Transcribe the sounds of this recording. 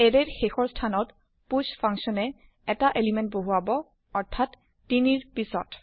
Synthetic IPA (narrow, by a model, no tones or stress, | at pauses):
ɛɹɛɹxexɔɹstʰanɔt | puspʰaŋsɔnɛ | ɛtaʔelimɛnt̚boɦuabɔ | ɔɹtʰːatː | iniɹpisɔ̰t